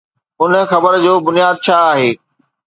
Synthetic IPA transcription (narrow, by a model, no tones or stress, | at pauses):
ʊnə̆xɐbəɾd͡ʑoːbʊnijaːd̪̚t͡ɕʰaːaːɦeː